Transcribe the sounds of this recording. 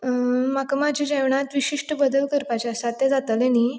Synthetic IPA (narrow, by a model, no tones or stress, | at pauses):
makamad͡ʑʱid͡ʑɛʋɳat̪ʋiɕiʂʈəbəd̪əlkəɾpat͡ɕaəsat̪ːed͡zat̪əleniː